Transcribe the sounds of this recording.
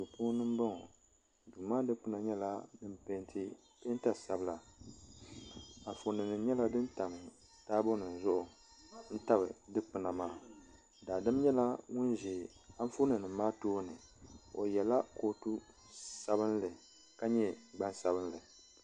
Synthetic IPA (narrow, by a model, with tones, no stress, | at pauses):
tu˨po˦nɨ˦m˦ba˦ŋɔ˨ | duː˨maː˦dɨ˦k͡pɨ˦na˨ɲɛ˦la˦nɨ˦mpe˦ntʰɨ˦ | pe˦n˦ta˨sa˨bɨ˦la˨ | a˨fo˨nɨ˨nɨ˨mɲɛ˦la˦dɨ˦nta˨mɨ˨ | taː˦bo˦nɨ˨n˨zʊ˦ʔʊ˨ | n̩˦ta˦βɨ̰˨dɨ˦k͡pɨ˨na˨maː˦ | daː˨dɨ˦mɲɛ˦la˦ŋʊ˦nʒe˨ | a˦ɱ˦fo˦nɨ˨nɨ˨mːaː˦toː˦nɨ˨o˨jɛ˨la˦ko˦tu˦ | sa˦bɨ˦nlɨ˨ | ka˦ɲɛ˦ɡ͡ba˦nsa˦bɨ˦n˦lɨ˨